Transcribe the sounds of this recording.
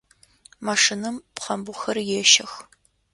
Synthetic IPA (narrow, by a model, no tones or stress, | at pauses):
maʂɨnɨmpχɐmbʊxɐrjɛʃɐx